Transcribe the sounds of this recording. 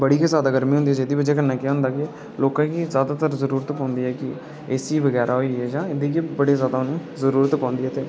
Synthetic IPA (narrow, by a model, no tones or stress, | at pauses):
bəɽiːkizjaːd̪aːɡəɾmĩɦõnd̪iɛːd͡ʒeːd̪iːbəd͡ʒeːkənːãːkɪjaɦʊ̃nd̪aːkɪ | loːkãːkizjaːd̪aːt̪əɾzəɾuːɾət̪pãːnd̪iːɦɛːkɪ | eːsiːʋəɡɛːɾʔaːɦoiːɦɛːd͡ʒãːɪd̪iːkibəɽeːzjaːd̪aːʊnẽːzəɾuːɾət̪pãːnd̪iɦɛːt̪eː